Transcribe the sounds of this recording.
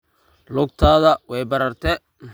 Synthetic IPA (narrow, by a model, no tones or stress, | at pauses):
lʊɡ̚t̪ʰaːðɐwɛjbɐɾɐrt̪ʰɛ | m